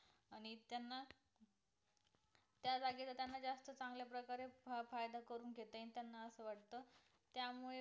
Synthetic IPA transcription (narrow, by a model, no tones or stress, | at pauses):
aɽñit̪janːa | t̪jad͡zaɡilat̪janːad͡zast̪ət͡sãŋɡljapɾəkaɾefajd̪akəɾuːnɡʱet̪əanit̪janːaəsəʋaʈt̪ə | t̪jamuɭe